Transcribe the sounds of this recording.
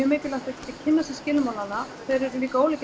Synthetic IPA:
œmɪːcɪlaht̪acʰɛ̥t̪ːɪcʰɪnːasɛ̥scɪːlmawlanːa | fɛɾɪɾʏliːkaoːwlɛc

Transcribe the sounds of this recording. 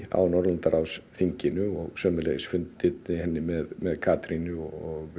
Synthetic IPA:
a̰wnɔɾlant̪aɾawsθiɲcɪnʏɔɣsœːmɪlḛjɪsfʏnt̪ɪt̪ɪhɛnːɪmɛðmɛðkʰaːt̪ɾinʏɔɔɣ

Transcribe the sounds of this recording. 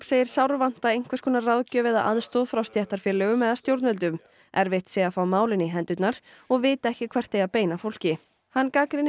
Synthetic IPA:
pseːjɪɾ̥sawɾvan̥t̪aejŋ̥kvaskʰɔːnaraðcœvɪða̰ʔa̰ðst̪oðfɾawst̪jɛht̪aɾ̥fjɛːlːɛɣʏmɛðast̪jowɾt̪nvɛlt̪̬ʏm | ɛɾvɪht̪sɛɣafawmaːwlɪniɦɛnt̪ʏt̪naɾ̥ | ɔɣvɪːt̪aɛhcɪkʰv̥ɛr̥t̪ejapeːjnafowl̥cɪ | hanːkaːkɾɪn

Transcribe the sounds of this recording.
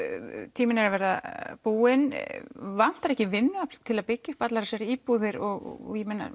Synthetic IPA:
t̪ʰiːmɪnɛɾavɛɾðapuːɪnvan̥t̪aɾɛhcɪvɪnːʏat̪ʰɪlaðpɪcːʏhpat̪laɾasɛɾiːpuðɪɾɔɣ̰jɛmɛnːa̰

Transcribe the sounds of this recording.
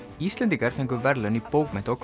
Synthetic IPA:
ist̪lɛnt̪ikɛɾfeŋkʏvɛɾlœnipoːwkmɛht̪aɔkʰ

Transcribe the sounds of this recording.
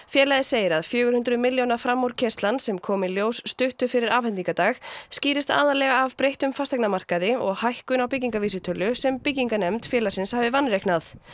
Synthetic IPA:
fjɛːɾlajðseːjɪɾaðfjœːɣʏɾhʏnt̪ɾʏmɪljownafɾamːowɾ̥cʰɛst̪lansɛmkʰɔːmɪljoːwsːt̪ʏht̪ʏfɪɾɪɾaːvhɛnt̪iŋkat̪aːɣsciːɾɪst̪a̰ːðalɛɣaːvpɾejht̪ʏmfast̪aknamar̥kaðɪɔɣhajhkʏnawpɪc̬ːiŋkaviːsɪt̪ʰœlːʏsɛmpɪciŋkanɛmt̪fjɛːlasɪnshaːvɪvanːrehknaθ

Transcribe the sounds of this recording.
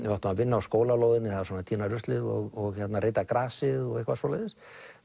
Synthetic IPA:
vaht̪ʏmavɪnːaawskoːwlaloːwðɪnːɪθaðasɔːnat̪ʰiːnaɾʏst̪lɪðɔ̰ɣɔɣçɛt̪nareːjt̪akɾaːsɪðɔɣɛhkvasoːlajðɪs

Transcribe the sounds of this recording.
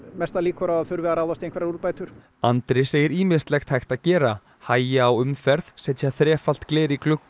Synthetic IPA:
mɛst̪aliːkʏɾawaðθʏɾvɛðaɾaːwðast̪ejŋkvɛɾaɾuɾpaːjt̪ʏɾ̥ | ant̪ɾɪseːjɪɾiːmɪst̪lɛxt̪hajxt̪aðcɛːɾa | haːjɪaawʏmfɛɾθsɛt̪ʰjaθɾɛːfal̥t̪kleːɾɪklʏkː

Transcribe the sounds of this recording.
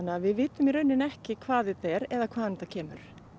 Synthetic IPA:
nːɪavɪðvɪːt̪ʏmiɾœɥnːɪnɛhcɪkʰvaːðθɪt̪ːaɛɾɛðakʰv̥aːðnt̪acʰɛːmʏɾ̥

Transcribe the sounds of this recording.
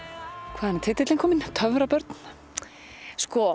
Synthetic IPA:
kʰvaːðɛnɛt̪ʰɪt̪ːɪt̪ɪŋkʰɔːmɪnt̪ʰœvɾapœɾt̪n̥ | skɔ

